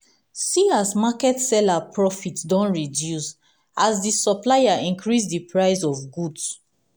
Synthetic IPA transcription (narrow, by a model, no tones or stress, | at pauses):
siasmakɛtsɛlapʰɹɔfitdɔ̃nɹidjus | ʔazdisɔplajaĩŋkʰɹis̬dipʰɹaɪzɔvɡuds